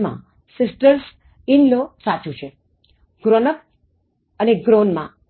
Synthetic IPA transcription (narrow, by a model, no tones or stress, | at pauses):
mã̰ | sɪsʈəɾs | ɪnlosat͡ʃũt͡ʃʰe | ɡ̥ɾonək̚ | əneɡɾonmã̰